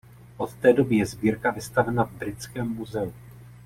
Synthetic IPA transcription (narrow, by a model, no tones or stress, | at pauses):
ʔo̞t̪t̪ɛːdo̞bɪjɛzbiːɾkavɪst̪avɛnavbɾɪt͡skɛːmːuzɛu